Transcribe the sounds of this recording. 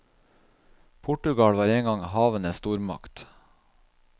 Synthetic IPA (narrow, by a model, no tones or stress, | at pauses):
pʰʊʈʉɡɑlʋɑːɾeːŋɡɑŋhɑːʋənəst̪uːɾmɑ̰kt̪